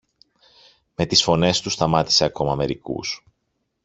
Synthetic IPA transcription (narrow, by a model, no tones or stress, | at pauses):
me̞t̪isfo̞ne̞st̪ust̪ɐmɐt̪i̥se̞ɐko̞mɐːme̞ɾikṵs